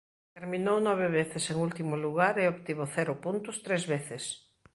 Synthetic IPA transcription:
t̪eɾmĩnownɔβ̞eβeθɪseŋult̪imʊluɣ̞aɾeopt̪iβoθɛɾʊpunt̪ʊst̪ɾezβeθɪs

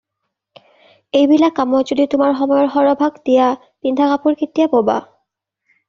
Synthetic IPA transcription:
ejbilakːamɔzoditʊmaɹxɔmɔjɔɹɦɔɹɔbʱaɡdija | tindʱakapuɹkʰitːijapoba̰

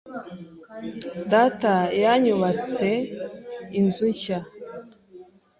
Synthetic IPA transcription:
datajaɲuβat͡se | inzuɲça

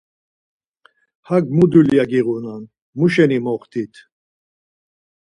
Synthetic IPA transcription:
haɡmud̪uljaɡiʁunan | muʃɛnimɔχt̪ʰit̪ʰ

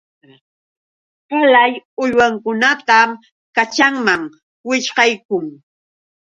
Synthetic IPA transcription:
qalajʊʎwaŋkʊnat̪am | kat͡ʃaŋmaŋ | wɪʃɢɑjkʊŋ

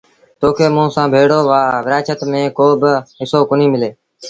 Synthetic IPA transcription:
t̪oːkʰeːmũːsãːbʱeːɽoːʋaːʋɪɾaːt͡ʃət̪mẽːkoːbɪɦɪsoːkʊniːmɪleː

